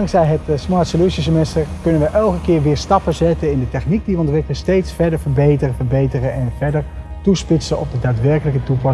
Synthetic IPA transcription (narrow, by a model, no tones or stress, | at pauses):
ɑŋksɛjɦətsmɑɹtsoljusisəmɛstəɹkɵnənʋəʔɛlˠkəkɪːɹʋɪːɹstɑpəzɛtənɪndətɛχnik̚diʋəɔntʋɪkələstejtsfɛɹdəɹvəɹbejtərəvəɹbejtərənɛnvɛɹdəɹtuspɪtsənɔ̰bdədaːtʋɛɹkələkətupɑ